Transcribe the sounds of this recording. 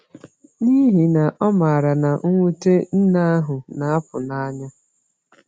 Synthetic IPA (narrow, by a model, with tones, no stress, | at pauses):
ni˦ɦi˨na˨ʔɔ˦ma˨ɾa˨na˨ʔ̩˦ŋʷu˦te˦n̩˦na˦a˦ɦʊ˨na˨a˦pʊ˨na˦a˦ɲa˦